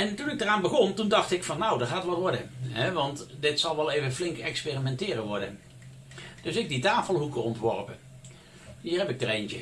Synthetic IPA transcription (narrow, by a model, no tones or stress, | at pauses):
ɛntunɪɡ̚dəraːnbəɣɔntundɑχtɪkfɑnːawdəɹχaːtʋɑtʋɔɹdəɦɛʋɑntdɪtsɑlˠʋɛlˠejvənflɪŋkɛkspɪːrimɛntɪːrəʋɔɹdən | d̥ɵsɪk̚ditaːfəlˠɦukəɔntʋɔ̰ɹpə | ɦiːɹɦɛpɪk̚dərentə